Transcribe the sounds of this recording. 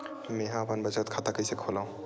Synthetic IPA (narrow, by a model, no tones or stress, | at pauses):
mẽɦãəpənbət͡ʃət̪̚kʰat̪akəjsəkʰolaũ